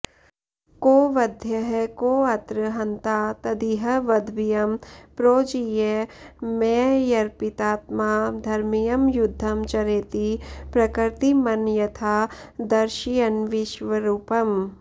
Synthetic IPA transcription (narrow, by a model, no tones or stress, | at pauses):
koːʋɐd̪ʱjɐɦɐkoːɐt̪ɾəɦɐnt̪aːt̪ɐd̪iɦɐʋɐd̪ʱʋijɐmpɾoːd͡ʒijemeːjɐɾpɪt̪aːt̪maːd̪ʱɐɾmijɐmjʊd̪ʱːɐmt͡ʃɐɾeːt̪ipɾɐkɾt̪imɐnjɐt̪ʰaːd̪ɐɾʃijɐnʋɪʃʋɐɾuːpɐm